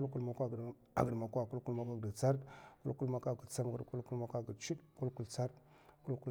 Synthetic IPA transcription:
u˦lku˦lma˨kʷa˦˨ɡ | a̰˨ɡə˨dma˨kʷa˦˨ku˦lku˦lma˨kʷa˦ɡa˨t͡sa˦ɾku˦ku˦lma˨ka˦ɡə˨t͡sa˦m˨ɡə˨ɾku˦ku˦lma˨kʷa˦ɡə˨t͡ʃi˦dku˦lku˦lt͡sa˦ɾ | ku˦lku˦

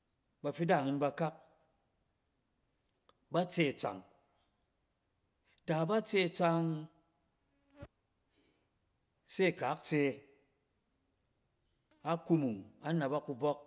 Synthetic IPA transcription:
ba˧ɸi˦da˦˨hɨ˧nba˧ka˦k̚ | ba˦t͡se˦˨t͡sa̰˨ŋ | da˨ba˦t͡se˦˨t͡sa˧ŋ | se˦˨ka˨˦k̚t͡se˧ | a˦ku˧mu˨ŋa˦na˨ba˦ku˧bɔ˦k̚

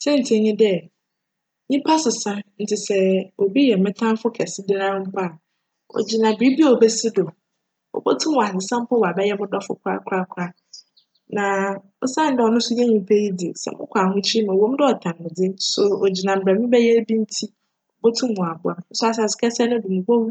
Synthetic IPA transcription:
sɛ̃˦n̩˨tʰi˨˦˨ɲɪ̃˦dɛ˦ | ɲĩ˦pʰa˦sɪ˨sã˦n̩˦tʰɪ˨sɛ˦o˨bi˦jɛ˨mɪ̃˦tʰã˦m˦fʊ˦kʰɛ˨sɪ˦dɪ˦ɾã˦pʰa˦˨ | ɔ̰˨d͡ʑi˨nã˨bi˨˦bi˦o˨bɛ˦sɪ˦do˨ | ɔ̰˨bo˦tʰũ˦mwa˨ɪ˨sã˦m˦pʰɔ˦wa˨bɛ˦jɛ˦mʊ̃˦dɔ˦fʊ̰˨kʰɾa̰˦kʰɾa˦kʰɾa˦ | nã˨ | ʊ˦sã˦n˦dɛ˨ɔ˨nʊ̃˦sʊ˦jɛ˦ɲĩ˨pʰɛ˦ji˦di˨sɛ̰˨mʊ̃˦kʷʰa˨hʊ̃˦t͡ɕʰi˦i˦mã˨wõ˦m˦dɪ˦ɔ˨tʰã˨n˨mɪ̃˨d͡zɪ˦sʊ˦o˨d͡ʑi˨nã˨m̩˨bɾɛ˨mɪ̃˦bɛ˦jɛ˦bi˦n̩˦tʰi˦ | ɔ˨bo˦tʰũ˦m˦mʊ̃˨a˨bʊ˦a˨n̩˦sʊ˦a˨s̬a˨sɪ̥˨kʰɛ˦sɛ˦nʊ̃˦du˨mʊ̃˨bo˦wu˦

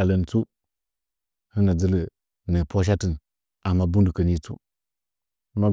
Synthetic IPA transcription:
a˨lə˨n˨t͡su˦ | hi˦na˨d͡zə˦lə˨ | nə˨pʰo˦ʃ̬a˦ti˨n | a˨ma˦bu˦ndu˨kə˨ni˦t͡sṵ˦ | ma˦

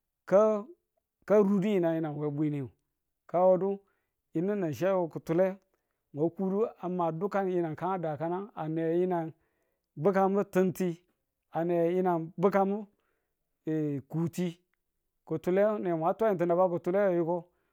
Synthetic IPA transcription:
ka˦ | ka˦ɾu˦du˦ji˨na˨ji˦na˨n˨we˨˦bʷi˦ni˦ju˨ | ka˦wo˦du˦ | i˨ni˦na˨ʃe˦wo˨ku˨tu˨le˦ | mʷe˨˦ku˦du˦a˨mːa˨du˦ka˦nji˦na˨nka˦ŋa˦da˨ka˦na˦a˨ne˨ji˦na˨n | bɨ˦ka˦mbu˦tɨ˦nti˦ | a˨ne˨ji˦na˨nbu˦ka˦mu˦˨ | ku˨ti˦ | ku˨tu˨le˦ne˨mʷ˨a˨˦tʷa˦i˨nt̬i˨na˨ba˦ku˨tu˦le˦jju˦ko˦

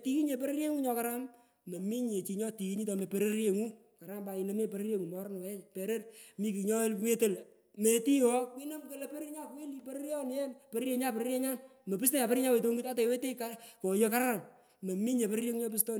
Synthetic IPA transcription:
ti˦ki˦ɲe˨p̬e˦ɾe˦ɾje˦ŋu˦ɲɔ˧ka˦ɾa˦m | me˨mi˦ɲe˨t͡ʃi˨ɲɔ˦ti˨ki˦ɲi˦tɔ˨me˨pe˨ɾe˦ɾje˨ŋu˦ | ka˨ɾa˦mba˨i˨le˦me˦pe˨ɾe˦ɾje˦ŋu˨mɔ˨˦ɾn˨wɛ˦pe˨ɾe˦rmi˦ki˨ɲɔ˦le˦te˦˨l | me˨ti˦wɔ˦kwi˦no˦mke˨˦le˦pe˦ɾe˦ɾɲa˦ku˨e˦li˨pe˦ɾe˦ɾjɔ˦n˦jɛ˦npeɾɾje˨ɲa˦pe˨ɾe˦ɾje˦ɲa˦nme˨pɨ˦s̬te˦ja˨pe˦ɾi˦ɲa˦we˨to˦ŋɡi˦ta˦te˨we˦te˦ka˦ko˨jo˧ka˦ɾaa˨ŋ | me˨mi˦ɲe˨pe˦ɾe˦ɾje˦ŋu˦ɲɔ˦p̬ɨ˦s̬tɔ˦n

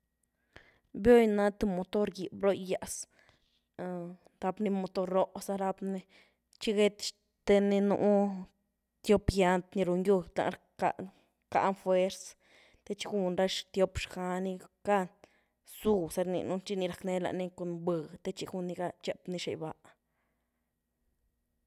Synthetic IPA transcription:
bjo˦jna˦t̪u˧mo˧t̪o˦ɾɡi˨bɾo˦jːa˨s | d̪a˧bni˧mo˧t̪o˧ɾːo˦ʔsa˧ɾa˧bne˧ | t͡ʃi˦ɡe˦t̪ʃ | t̪e˧ni˧nṵ˧ʔ | t̪jo˦pja˧nt̪ni˧ɾo˧ŋju˧t̪a̰˧˦ɾ | a˧ | ka̰˧˦nfwe˦ɾs | t̪e˦t͡ʃi˧xu˧nɾa˦ʂt̪jo˧pʂxa˧ni˧ka˦˧ | su˧˨se˧ɾnḭ˧nu˧t͡ʃi˧ni˧ɾa˨kne˧˦la̰˧ʔni˧ko˧nbɨ˧˨t̪e˦t͡ʃi˧xu˧nːi˧ɡa˧t͡ʃe˧pni˧ʃḛ˨jba˧ʔ

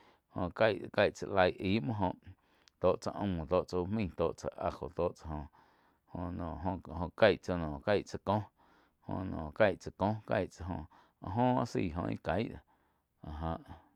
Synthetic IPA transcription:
hõ˧ka˦˧jʔka˧jʔt͡sa̰˨ʔla˧jʔiː˨˦ʔmə̃˦ɦõ˧ʔ | t̪oː˦˨ʔt͡sa˧ʔõ̰˧˨õ˨t̪oː˧˨ʔt͡so˧u˧mĩ˦˧˨t̪oː˧˨ʔt͡sa̰˨ʔa˧ho̰˨t̪oː˦ʔt͡sa˧hõ˧ | ho˧nɔ̃ː˨ʔɦõ˧˨ɦõ˧ka˦jʔt͡so˧nɔ̃ː˨ka˦˧jʔt͡sa˨kõ˦ | hõ̰˧nɔ̃˨ka˦˧jʔt͡sa˨kõ˦ka˧jʔt͡sa˧ɦõ˧ | a˧ʔɦõ˦a˦siː˧˨ɦõ̰˧ḭ̃˦ka˨˦jʔd̪o˨ | a˨ɦã˧˨ʔ

